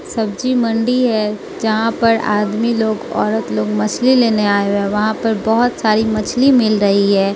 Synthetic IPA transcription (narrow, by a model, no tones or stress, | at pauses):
sɐb̚d͡ʒimɐ̃ɳɖiɦɛ | d͡ʒɐɦãpɐɾa̰ːd̪miloːɡɔ̰ːɾət̪loːɡmɐt͡ʃʰlileːneaːeɛːʋɐɦãpɐɾbɐɦʊt̪saːɾimɐt͡ʃʰlimɪlɾɐɦiɦɛː